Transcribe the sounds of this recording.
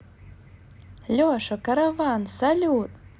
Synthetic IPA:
lʲoaʂakaɾavansalʲut̪ʼ

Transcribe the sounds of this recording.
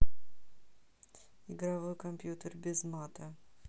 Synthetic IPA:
ɪɡɾavojkɐmʲpʲjut̪ərbʲɪzmat̪ɐ

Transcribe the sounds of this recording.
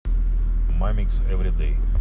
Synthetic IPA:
maɪmiksɛvɾid̪eɪ

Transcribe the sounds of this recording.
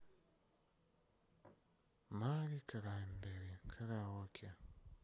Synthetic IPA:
maɾikʰaɾaimbeɾekʰaɾawokʰja

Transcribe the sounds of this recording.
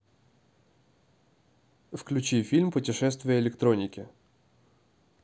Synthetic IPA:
wklʲʊt͡ʃijfʲilʲmpʊtʲɪʃɛst̪ʋʊjɛelʲekt̪ɾɔnʲikʲɪ

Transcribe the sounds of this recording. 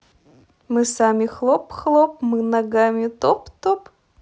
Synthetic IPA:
mɨsamʲɪxlˠopxlˠop̚mɨnɐɡamʲɪt̪opt̪op

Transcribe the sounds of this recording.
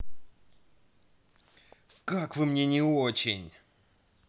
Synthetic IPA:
kakvɨmnʲenʲɪot͡ɕɪ̰nʲ

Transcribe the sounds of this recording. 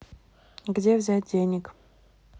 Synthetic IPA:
ɡdʲe̞vzʲæt̚ʲdʲenʲɪk

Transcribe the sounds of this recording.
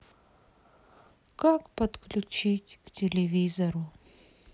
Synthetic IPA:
kakpət̪klʲʊt͡ɕitʲktʲɪlʲɪvʲizɐɾʊ

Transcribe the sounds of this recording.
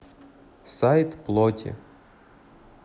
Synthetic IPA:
sajt̪plˠɔt̪ʲʰɪ̰

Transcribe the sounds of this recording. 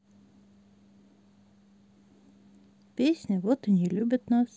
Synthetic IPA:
pʲesʲnʲəʋot̪ənʲilʲʉbʲət̪nɑs

